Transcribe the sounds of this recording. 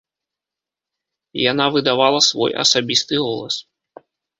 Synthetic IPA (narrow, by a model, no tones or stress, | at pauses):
janavɨd̪avalˠɐsvɔ̰jʔɐ̰sabʲist̪ɨɣɔlˠɐ̰s